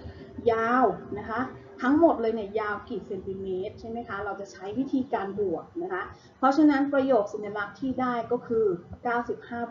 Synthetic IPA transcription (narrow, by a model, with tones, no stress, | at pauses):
jaː˧wna˦˥kʰa˦˥t̪ʰa˦˥ŋmo˨˩t̪̚lɤː˧jni˥˩əjaː˧wkiː˨˩t̪̚se˧nt̪i˧meː˦˥t̪̚t͡ɕʰa˥˩jma˦˥jkʰa˦˥ɾa˧wt͡ɕa˨˩t͡ɕʰa˦˥jwi˦˥t̪ʰiː˧kaː˧nbu˨˩ək̚na˦˥kʰa˦˥ | pʰɾɔ˦˥t͡ɕʰa˧na˦˥npɾa˧joː˨˩k̚si˨˩˦nja˧la˦˥k̚t̪ʰiː˥˩daː˥˩jkɔː˥˩kʰɯː˧kaː˥˩wsi˨˩p̚haː˥˩b